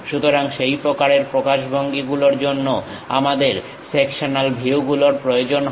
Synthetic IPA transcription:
ʃut̪oɾaŋʃejpɾokaɾeɾpɾokaʃbʱoŋɡiɡuloɾd͡ʑonːo | a̰mad̪eɾ | sekʃonalbʱiwɡuloɾpɾojod͡ʑonɦ

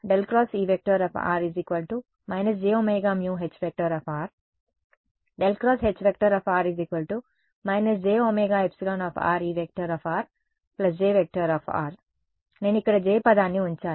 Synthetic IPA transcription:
ɖelkɾɔːsiːʋek̚ʈɐɾɐːfʰa̰ːɾizikʋɐlʈu | mɐjnɐs̬d͡ʒeːoːmeːɡaːmjuːɦet͡ʃpek̚ʈɐɾɔːfʰaːɾ | ɖelkɾɔːsɦet͡ʃːpek̚ʈɐɾaːpaːɾizikʋɐlʈu | mɐjnɐs̬d͡ʒeːoːmeːɡaːepsiloːnɔːfʰa̰ːɾiːʋek̚ʈɐɾɔːfaːɾ | plɐs̬d͡ʒeːʋek̚ʈɐɾaːpʰa̰ːɾ | ne̞ːnuikːɐɽɐd͡ʒeːpɐd̪aːnːiuɲt͡ʃaː

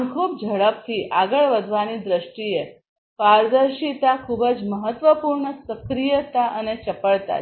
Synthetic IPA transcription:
kʰub̚d͡ʒʱəɭəp̚t̪ʰiʔaɡəɭʋəd̪ʱʋanid̪ɾəʃʈie | paɾd̪əɾʃit̪akʰubəd͡ʒməɦət̪ʋəpuɾɳəsəkɾijət̪aʔənet͡ʃəpəɭt̪a̰

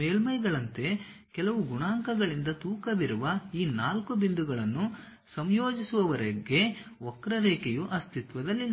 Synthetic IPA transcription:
eːlmɐjɡɐɭɐnt̪e̞kɛlɐʋuɡuɳaːŋkɐɡɐɭind̪ɐt̪uːkɐd̪iɾuʋɐiːnaːlkubind̪uɡɐɭɐnːu | sɐmjoːd͡ʒisuʋɐʋɐɾɐɡe̞ɔkɾɐɾeːkejuʔɐst̪it̪ʋɐd̪ɐlːi

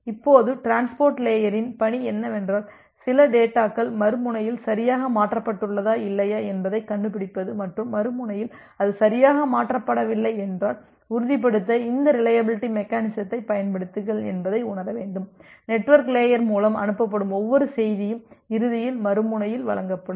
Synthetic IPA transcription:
ɪpːoːðɯʈɾaːnspoːɾʈleːjɐɾɪnpɐɳiɛnːɐɛndraːl | sɪlɐɖeːʈːaːkːɐɭmɐɾɯmʊɳɐjɪlsɐɾɪjaːɣɐmaːʈrɐpːɐʈːɯɭːɐðaːɪlːɐjaːɛnbɐðɐɪkːɐɳɖɯpːɪɽɪpːɐðɯmɐʈrɯmːɐɾɯmʊɳɐjɪl | ɐðɯsɐɾɪjaːɣɐmaːʈrɐpːɐɽɐʋɪlːɐɪɛndraːl | ʊɾɯðɪp̬ːɐɽɯt̪ːɐɪnd̪ɐɾɪlɐjɐbɪlɪʈːimɛkːaːnɪsɐt̪ːɐɪpɐjɐnpɐɽɯt̪ːɯɣɐɭɛ̰nbɐðɐɪʊɳɐɾɐʋeːɳɖɯmnɛʈːʋɐɾkleːjɐɾmuːlɐmɐ̰nɯpːɐp̬ːɐɽɯmɔʋːɔɾɯsɛjðɪjɯmɪɾɯðɪjɪlmɐɾɯmʊɳɐjɪlʋɐ̰ɭɐŋɡɐpːɐɽɯ

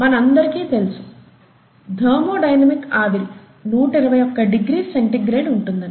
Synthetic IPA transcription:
mɐnɐnd̪ɐrkit̪elsu | d̪ʱeːmoːɖɐjnɐmikːaːd̪il | nuːʈːiɾubɐjokːɐɖiɡɾiseɳʈiɡɾeːɽɖuɳʈːunːɐ

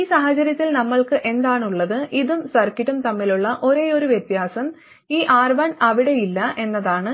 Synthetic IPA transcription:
iːsaːɦɐt͡ɕɐɾjɐt̪ːilnɐmːɐɭkɨʔe̞nd̪aːɳuɭːɐðɨʔiðumsɐrkiɾumt̪ɐmːiluɭːɐʔo̞ɾe̞o̞ɾuʋjet̪jaːsɐm | iːʔaːrbɐnɐʋiɽe̞jilːɐʔe̞nːɐðaːɳɨ

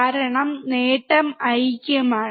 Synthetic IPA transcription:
aːɾɐɳɐmneːʈːɐmɐɻkːɐmaː

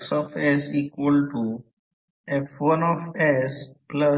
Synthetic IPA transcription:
sɔfɛsikwəlʈu | ɛfwənɔfɛsplə

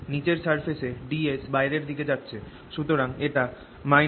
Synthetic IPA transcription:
nit͡ɕeɾsaɾfʰeʃeɖiesbajɾeɾd̪ʱiked͡ʑatːɕʰe | ʃut̪oɾaŋeʈa | ma

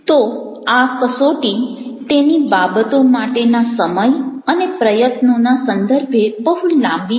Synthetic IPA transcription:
t̪o | akəsoʈit̪enibabət̪omaʈenasəməjənepɾəjət̪nonasənd̪əɾbʱebəɦulãmbi

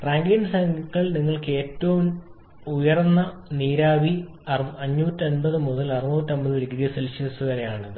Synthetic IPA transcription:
raːŋɡinɖsaŋɡɐɭniŋːɐɭke̞ːtːɐʋum | ujɐrnːɐniːɾaːʋi | ɐɐɲːuːtːɐnbɐðɨmuðɐlɐrinuːtːɐmbɐðɨiɽiɡɐɾjɐselɕɐsuʋɐɾejaːɳɐðɨ

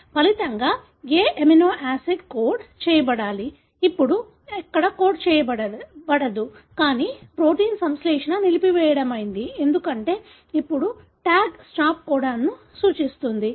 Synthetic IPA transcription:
pɐlit̪ɐŋɡaː | ɡeːʔeminoːʔaːseɖkoːɾɖt͡ʃɛːjɐbɐɽaːliː | pːuɽu | ɛkːɐɽɐko̞ːɾɖt͡ʃɛːjɐbɐɐbɐɽɐd̪ukaːniːpɾo̞ːʈiːnsɐmsleːʂɐnɐnilipiʋɛːjɐɽɐmɐjind̪ie̞nd̪ukɐɳʈe̞ː | ipːuɽu | ʈaːɡsʈaːp̚koːɽaːnːu | suːt͡ʃist̪und̪i

